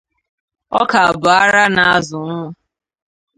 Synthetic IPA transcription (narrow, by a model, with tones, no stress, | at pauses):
ɔ̰˦ka˨a˨bʊ˨a˦ɾa˦na˨a˦zʊ˨nʊ˦ʊ˦